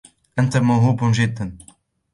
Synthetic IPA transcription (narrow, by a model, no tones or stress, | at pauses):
ʔant̪amawɦuːbʒɪd̪ːan